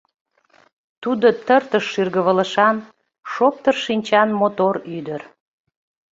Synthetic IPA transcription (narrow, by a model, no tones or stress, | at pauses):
t̪ud̪ot̪ərt̪əʃːirɣəβələ̆ʃɑn | ʃop̚t̪ərʃinʲt͡ɕɑnmot̪oɾyd̪ər